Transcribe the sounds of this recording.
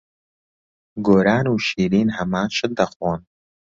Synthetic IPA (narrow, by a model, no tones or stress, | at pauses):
ɡoːɾaːnuːʃiːɾiːnhɐmaːnʃɨd̪ɐxwoːn